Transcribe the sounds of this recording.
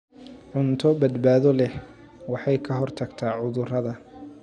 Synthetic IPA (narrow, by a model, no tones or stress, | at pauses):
ʕʊnt̪ʰɔbɐd̪baːðɔlɛ | wɑħɑjkʰɐɦɔrt̪ʰɐɡt̪ʰaːʕʊðʊrɐðɐ